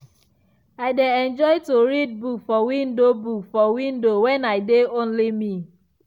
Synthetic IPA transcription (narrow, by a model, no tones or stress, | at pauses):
aɪdeɛ̃nd͡ʒɔɪtoɾid̚bukfɔwĩndobukfɔwĩndowɛnaɪdeõnlimi